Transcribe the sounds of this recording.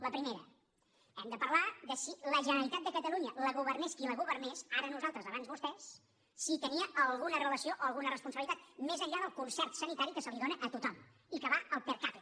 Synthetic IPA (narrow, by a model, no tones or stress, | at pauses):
ləpɾimeɾə̰ | ɛmd̪əpəɾlaðəsiləʒənəɾəɾit̪at̪̚d̪əkət̪əluɲələɣuβ̞ərneskiləɣ̞uβərnesaɾənuzalˠt̪ɾəzəβanzβust̪ɛsː | it̪əniəʔəlˠɣunərələsioʔoəlˠɣunərəspunəβilit̪at̪mezəʎːaðəlˠkunsɛrt̪sənit̪aɾikəsəliðonəʔət̪ut̪ɔm | ikəβaəlˠpeɾkape